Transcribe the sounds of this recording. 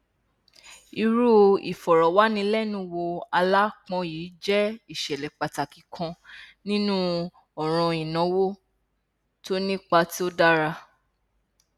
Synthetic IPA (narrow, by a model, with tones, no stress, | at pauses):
i˧ɾu˦˧i˨fɔ˨ɾɔ˨wa˨˦nĩ˧lɛ˦nũ˦wo˧a˧la˦k͡pɔ̃˧jiː˨˦d͡ʒɛ˦i˦˨ʃɛ˨lɛ˨k͡pa˨ta˨ki˨kʰã˧nĩ˦nũ˦ | ɔ˨ɾ̃ɔ̃˧ĩ˨nɔ̃˨˦wo˦ | to˦nĩ˦k͡pa˧ti˦o˦da˦ɾa˧